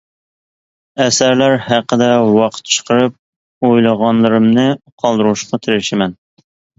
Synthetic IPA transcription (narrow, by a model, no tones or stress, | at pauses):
ɛsæɾlæɾhæqːəd̪ɛwɑqʰə̥t̪t͡ʃʰə̥qʰəɾɨp̚ | ojlˠəʁɑnlˠɨɾɨmnɨqʰɑlˠd̪ɨɾuʃqɑt̪ʰɪɾɪʃɪmɛn